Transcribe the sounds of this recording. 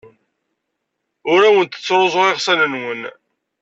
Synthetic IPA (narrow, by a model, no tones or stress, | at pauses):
ʊɾawənt̪ə̥t͡sːɾˤozˤoʁɪʁsænənwən